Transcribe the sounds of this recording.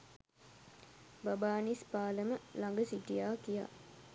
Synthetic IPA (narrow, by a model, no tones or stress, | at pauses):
babaːnispaːləməlaŋɡəsiʈijaːkija̰